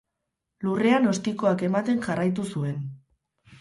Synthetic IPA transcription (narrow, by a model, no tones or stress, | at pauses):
lure̞ano̞st̪iko̞ake̞mat̪e̞nʝarajt̪̬usue̞n